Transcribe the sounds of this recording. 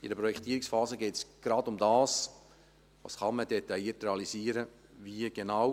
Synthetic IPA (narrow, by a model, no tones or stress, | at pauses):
idəpɾɔjɛkt̪iːəɾɪksfɑːzəɡɛːtsɡ̥ɾɑdʊmdɑːs | vɑ̰ːsχɑnmədet̪ɑjiətɾeɑliziːəɾə | viəɡ̥enɑw